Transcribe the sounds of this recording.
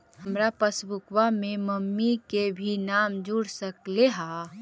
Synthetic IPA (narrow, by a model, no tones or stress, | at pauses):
ɦəmɾapəsbʊkwamẽməmːikebʱinaːmd͡ʒuɽsəkleɦa